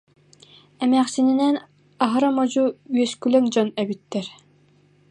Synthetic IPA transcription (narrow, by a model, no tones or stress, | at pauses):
ɛmæːχsininɛn | aɦɯɾamɔd͡ʑuyɛskylɛŋd͡ʑɔnɛbit̪ːɛɾ